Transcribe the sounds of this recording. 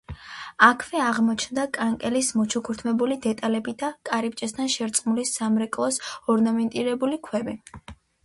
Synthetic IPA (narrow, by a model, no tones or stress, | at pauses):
akʰvɛaʁmɔt͡ʃʰnd̪akʼaŋkʼɛlismɔt͡ʃʰukʰuɾt̪ʰmɛbulid̪ɛt̪ʼalɛbid̪akʼaɾip̚ʼt͡ʃʼɛst̪ʰanʃɛɾt̪sʼmulisamɾɛkʼlˠɔsɔɾnamɛnt̪ʼiɾɛbulikʰwɛbi